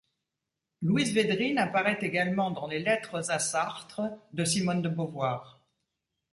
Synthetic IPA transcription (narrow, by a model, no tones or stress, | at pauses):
lwizved̪ʁinapaʁɛt̪eɡalmɑ̃d̪ɑ̃lelɛt̪χəzasaʁt̪χəd̪əsimɔnd̪əbɔvwaːʁ